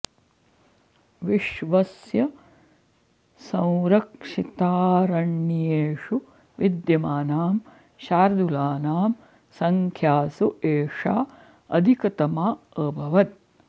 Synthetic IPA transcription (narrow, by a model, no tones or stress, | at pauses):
ʋiʃʋɐsjɐ | sɐ̃w̃ɾɐkʂit̪aːɾɐɳːijeːʂu | ʋid̪jɐmaːnaːm | ʃaːɾd̪ulaːnaːm | sɐŋkʰjaːsuʔeːʂa̰ː | ɐd̪ʱikɐt̪ɐmaːəbʱɐʋɐt̪̚